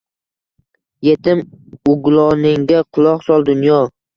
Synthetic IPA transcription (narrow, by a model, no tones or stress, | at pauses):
jet̪ʰɪmʊɡlˠɒnɪŋɡʲaqʰʊlˠɒχsɒlˠd̪ʊnjɒ